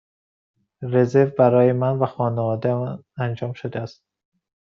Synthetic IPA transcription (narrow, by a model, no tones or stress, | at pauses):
re̞zevbæɾɒːjemænvæxɒːnevɒːd̪eænd͡ʒɒːmʃod̪eæst̪̚